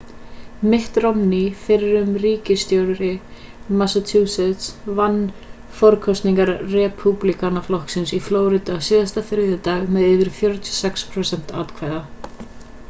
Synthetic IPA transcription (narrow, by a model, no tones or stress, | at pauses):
mɪht̪rɔmnifɪɾɪɾʏmriːcɪst̪jowɾɾɪmasat̪ʰuːsɛt̪svanː | fɔɾkʰɔst̪niŋkaɾrɛpʰuplikanaflɔhksɪnsifloːwɾɪt̪asɪːðast̪afɪɾðʏt̪aːɣmɛðɪːvɪɾ̥fjœɾt̪ʰʏ̥sɛkspʰɾosɛn̥t̪aːt̪kʰvaːjða